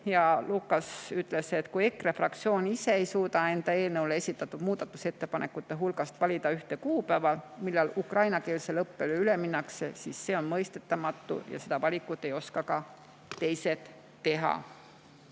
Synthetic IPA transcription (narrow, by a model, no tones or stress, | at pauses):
jɑluːkːˑɑsyt̪ːˑle̞set̪kuje̞kːrefrɑk̚t̪sio̞ːnise̞ejsuːt̪ɑe̞nd̪̥ɑeːlnɤwleesʲit̪ːˑɑt̪ːˑud̥̪muːd̪ɑt̪ːˑuse̞t̪ːe̞pɑnʔe̞kːˑut̪ːe̞ɦulɡ̥ɑst̪vɑlʲid̪ɑyht̪e̞kuːpæːvɑlmilːɑlukrɑjnɑke̞ːlse̞lɤpːe̞leyle̞minːɑkse̞siːsːe̞ːo̞nmɤjst̪e̞t̪ːˑɑmɑt̪ːˑṵjɑ̰se̞d̪ɑvɑlʲikːˑut̪ːˑe̞jo̞skɑkɑ | t̪e̞jse̞t̪ː | e̞ɦɑ̰